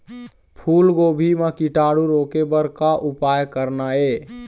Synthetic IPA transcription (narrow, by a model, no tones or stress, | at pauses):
pʰulɡobʱimekiʈaɽuɾokebəɾkaʔupajkəɾnae